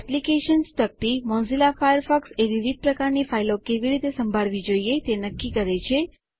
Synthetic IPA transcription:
ɛplikeʃənst̪ʰək̚t̪imɔ̃nzilafajəɾfɔkseʋiʋid̪̚ʱpɾəkaɾnifailokeʋiɾit̪esəmbʱaɭʋid͡ʒoiet̪enəkːikəɾet͡ʃʰe

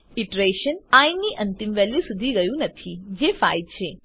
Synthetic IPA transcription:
ɪʈɾeʃənãinːiʔənt̪imʋɛljisud̪ʱiɡəjũnət̪ʰid͡ʒefa̰id̪̚t͡ʃʰe

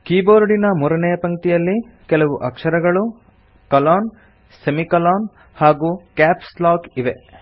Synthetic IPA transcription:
kiːboːɾɖinɐmuːɾɐnɛjɐpɐŋɡt̪ijɐlːi | kɛlɐʋuʔɐkʂɐɾɐɡɐɭu | kɐlaːn | semikɐlaːn | haːɡuːkaːpslaːkiʋe

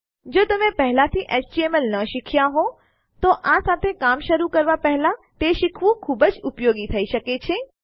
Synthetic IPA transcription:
d͡ʒot̪əmẽpəɦlat̪ʰiʔesʈieməlnəʃikʰjaɦo | t̪oʔasat̪ʰekamʃəɾukəɾʋapɛɦlat̪eʃikʰʋũkʰubəd͡ʒʊpjoɡit̪ʰəiʃəket͡ʃʰe

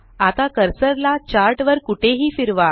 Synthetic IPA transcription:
at̪akəɾsəɾlat͡ɕaɾʈʋəɾkuʈʰeɦiːfiɾʋa

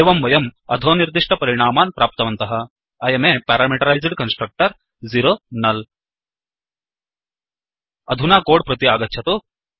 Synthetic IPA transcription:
eːʋɐmʋɐjɐmɐd̪ʱoːniɾd̪iʂʈɐpɐɾiɽ̃aːmaːnpɾaːp̚t̪ɐʋɐnt̪ɐɦɐ̆ | ɐjɐmeːpaːɾaːmiʈɐɾajzɖkɐnsʈɾɐk̚ʈɐɾ | ziɾoːnɐl | ɐd̪ʱunaːkoːɽpɾɐt̪iaːɡɐtːʃʰɐt̪u

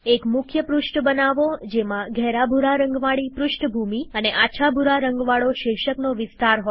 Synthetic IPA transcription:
ekmʊkʰjəpɾuʃʈbənaʋod͡ʒemãɡʱɛɾabʱuɾaɾəŋɡʋaɭipɾuʃʈbʱumiəneʔat͡ʃʰabʱuɾaɾəŋɡʋaɭoʃɪʃəknoʋɪst̪aɾɦo

